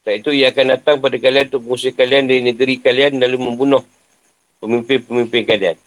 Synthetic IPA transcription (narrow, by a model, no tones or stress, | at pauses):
t̪ait̪uijaːkandat̪aŋpadakalianut̪ʊk̚məŋus̬əhkaliandaɾinəɡəɾikalianlaluməmbunʊh | pəmimpɪnpəmimpɪnkalian